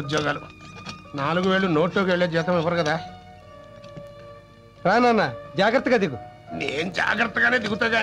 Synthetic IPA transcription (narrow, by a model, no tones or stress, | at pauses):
ud̪jɔːɡaːlunaːluɡuʋeːɭːuno̞ːʈloːkiʋeɭːed͡ʒɛːt̪ɐmiʋːɐɾukɐd̪aː | ɾaːnanːad͡ʒaːɡɾɐt̪ːɐɡaːd̪iɡuneːnud͡ʒa̰ːɡɾɐt̪ːɐɡaːneːd̪iɡut̪aːɡaː